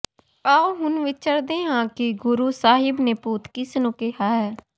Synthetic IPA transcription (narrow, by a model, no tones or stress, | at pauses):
aːoːɦʊnʋɪt͡ʃəɾd̪ẽːɦãːkɪɡʊɾuːsaːɦɪbneːpuːt̪kɪsnũːkeɦaːɦɛː